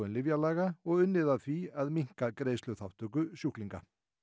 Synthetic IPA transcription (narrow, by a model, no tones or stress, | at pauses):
ɛnlɪvjalaːɣaɔɣʏnːɪðaðθiaðmiŋ̥kakɾeːjslʏɣθawht̪ʏkʏsjuhkliŋka̰